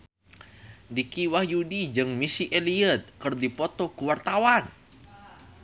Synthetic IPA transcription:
dikiwahjudid͡ʒɨŋmisiʔeliət̪̚kɨrdipɔt̪ɔkuwart̪awan

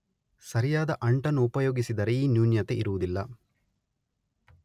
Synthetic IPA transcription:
sɐɾijaːd̪ɐʔɐɳʈɐnːuːpɐjoːɡisid̪ɐɾeiːnjuːnjɐt̪eʔiɾuʋud̪ilːɐ

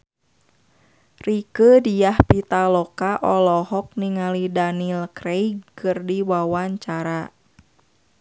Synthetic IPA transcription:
rikədijahpit̪alɔkaʔɔlɔhɔk̚niŋalidanilkɾejkɨrdiwawaɲt͡ʃaɾa

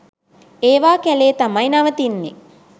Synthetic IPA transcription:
eːʋaːkæleːt̪amajnaʋət̪inːe

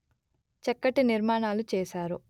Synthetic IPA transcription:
t͡ʃɛkːɐʈiniɾmaːɳaːlut͡ʃɛːʃaːɾu

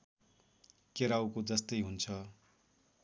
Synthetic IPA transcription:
keɾawkod͡zʌst̪ʌjɦunt͡sʰʌ

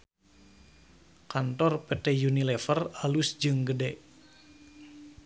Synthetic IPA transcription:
kant̪ɔrpet̪ɛjunilɛfəralusd͡ʒɨŋɡədɛʔ

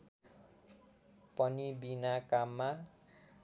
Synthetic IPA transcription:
pʌnibinakamːa

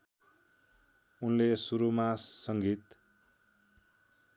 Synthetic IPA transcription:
unlesuɾumasːʌŋɡit̪

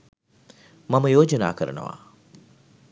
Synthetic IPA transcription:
mɐməjoːd͡ʒɐna̰ːkəɾənə̰ʋa̰ː

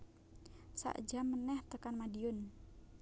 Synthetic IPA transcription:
sa̰ʔd͡ʒamːənɛht̪əkanmadiʊn

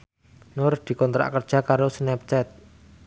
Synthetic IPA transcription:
noɾd̪̥i̤kɔnt̪ɾa̰ʔkərd̥ʒ̥a̤kaɾosnɛp̚t͡ʃɛt̪̚

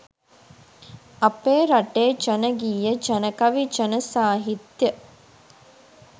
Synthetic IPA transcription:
apeːɾaʈeːt͡ʃənəɡiːjət͡ʃənəkaʋit͡ʃənəsaːɦit̪jə

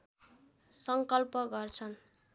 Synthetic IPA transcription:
sʌŋkʌlpʌɡʌrt͡sʰʌn

